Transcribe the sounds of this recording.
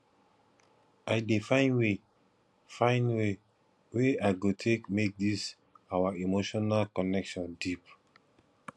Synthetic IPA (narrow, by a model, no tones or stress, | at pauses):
aɪdefãɪ̃nwe | fãɪ̃nwe | weaɪɡotʰekmek̚dis | awaimoʃɔnalkɔnɛkʃɔ̃ndip